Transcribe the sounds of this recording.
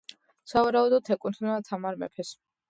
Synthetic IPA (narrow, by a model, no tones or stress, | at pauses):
savaɾaud̪ɔdt̪ʰɛkʼunt̪ʰnat̪ʰamaɾmɛ̰pʰɛs